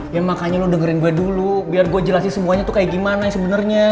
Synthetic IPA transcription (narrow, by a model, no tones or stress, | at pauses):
jaŋmakaɲalʊdəŋəɾɪnɡuɛdulubiarɡuad͡ʒəlasasəmuaɲat̪ukajaʔɡimanasəbənərɲa